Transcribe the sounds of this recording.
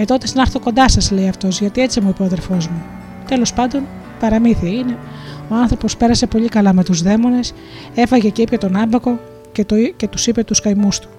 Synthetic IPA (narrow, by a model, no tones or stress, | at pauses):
et̪o̞t̪esnɐɾθoko̞nd̪ɐsɐzle̞iɐft̪o̞zʝɐt̪ie̞t͡simuipeoðeɾfo̞zmu | t̪e̞lo̞spɐnd̪o̞n | pɐɾɐmiθiɐine̞o̞ɐnθɾo̞po̞spe̞ɾɐse̞po̞ʎikɐlɐme̞t̪uzðe̞mo̞ne̞s | e̞fɐʝe̞ceipçot̪o̞nɐmbɐko̞ | cet̪ce̞t̪usipe̞t̪uskɐjmust̪u̥